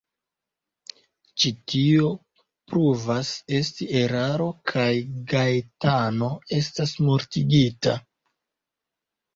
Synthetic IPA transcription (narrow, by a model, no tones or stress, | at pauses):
t͡ʃitio̞ | pɾuvase̞stie̞ɾaɾo̞kʰajɡajtano̞e̞stasmoɾtiɡita